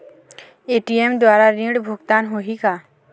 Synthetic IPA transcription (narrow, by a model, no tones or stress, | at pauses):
eːʈiemd̪waːɾaɾĩɽbʱʊɡt̪aːnɦoɦika